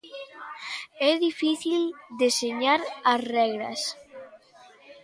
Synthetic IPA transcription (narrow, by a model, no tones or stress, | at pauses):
ɛðifiθild̪eseɲaɾɐsrɛɣɾɐ̰s